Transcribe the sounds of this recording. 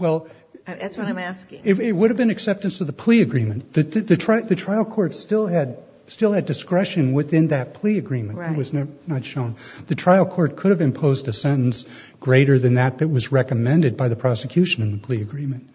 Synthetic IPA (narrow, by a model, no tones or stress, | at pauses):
wɛlˠ | æskɪɪt̚wʊɾɨvbɨ̃nɨksɛp̚tɨ̃nsʌvðəpʰl̥iɨɡɹĩmɨ̃nðɨðɨðɨtʰɹ̥aɪðɨtʰɹ̥aɪl̩ˠkʰɔɹtstɪlˠɨd̚ | stɪlˠɨdɨskɹɛʃɨ̃nwɪθɪ̃nðɨt̚pʰl̥iɨɡɹĩmɨ̃nɨt̚wʌznnətʃõʊ̃nðɨtʰɹ̥aɪlˠkʰɔɹt̚kʰʊɾɨvɨ̃mpʰoʊzdɨsɛ̃ɾ̃n̩s | ɡ̥ɹeɪɾə˞ðɨ̃nðɨt̪̚ðɨt̚wʌzɹɛkɨmɛ̃ndɨd̚baɪðɨpʰɹ̥ɑsɨkʰj̥ʉʃɨ̃nɨ̃nðəpʰl̥iɨɡɹĩmɨ̃nt̚